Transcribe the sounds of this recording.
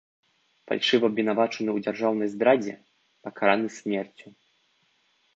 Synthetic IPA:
fa̰lʲʂɨvɐbʲvʲɛn̪avat͡ʂɐnɨwd͡zʲarʐawnɐjzd̪ɾad͡zʲɛ̰ | pɐkaɾanɨsʲmʲɛrt͡sʲu

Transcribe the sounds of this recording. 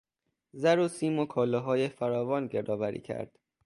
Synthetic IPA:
zæɾosiːmokʰɒːlɒɦɒːjefæɾɒːvɒːnɟeɾd̪ɒːvæɾḭːcʰæ̰ɾd̪̥

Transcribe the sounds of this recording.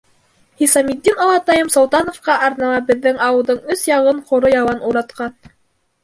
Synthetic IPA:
hisɑmid̪ːinolˠɑt̪ɑjɤmsowˠt̪ɑnŏfqɑʔɑɾnɑmɑbɘ̆ðːɘŋɑwɤ̆lˠdɤɴɵsjɑʁɤɴqŏɾojɑwɑnuɾɑt̪qɑn

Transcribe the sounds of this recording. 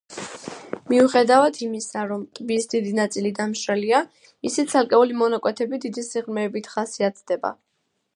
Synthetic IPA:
miuχɛd̪avat̪ʰimisaɾɔmt̪ʼbisd̪id̪inat̪sʼilid̪amʃɾɛlia | isit̪sʰalkʼɛulimɔnakʼwɛt̪ʰɛbid̪id̪isiʁɾmɛːbit̪ʰχasiat̪ʰd̪̥ɛba̰

